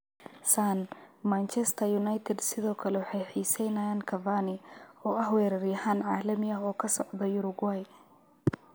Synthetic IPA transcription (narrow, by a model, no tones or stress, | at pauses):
sanmant͡ʃɛst̪ʰɐjʊnajt̪ʰɛd̪sɪðɔːkʰɐlɛwɑħɑjħiːsɛjnɐjaːnkʰɐvanɪɔːɐhwɛːɾɐɾɪjɐhaːnʕaːlɐmɪɐɦɔːkʰɐsɔʕd̪ɐjʊɾʊɡwaj